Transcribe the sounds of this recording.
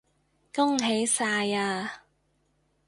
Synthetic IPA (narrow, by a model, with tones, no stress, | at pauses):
kʊ˥ŋɦe˨˥jsaː˧jaː˧